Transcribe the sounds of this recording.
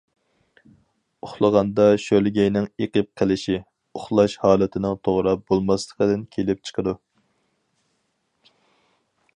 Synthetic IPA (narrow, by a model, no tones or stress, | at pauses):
ʊχlˠəʁɑnd̪ɑʃølɡʲɛjnɪŋeqəp̚qʰəlˠɪʃi | ʊχlˠɑʃhɑːlˠɪt̪ʰɪnɪŋt̪ʰoʁɾɑbolˠmɑslˠəqəd̪ɪnkʲʰelɪp̚t͡ʃʰə̥qʰəd̪u